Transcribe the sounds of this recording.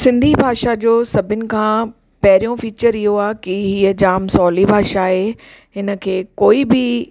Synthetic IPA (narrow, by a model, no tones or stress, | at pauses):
sɪ̃nd̪ʱibʱaːʃad͡ʑoːsɐbʱɪnɪ̆kʰãː | pɐɦɪɾijõfiːt͡ɕəɾɪɦoaːkiɦiːəd͡ʑaːmsɔːlibʱaːʃaːɦeː | ɦɪnə̆kʰeːkoːibɪ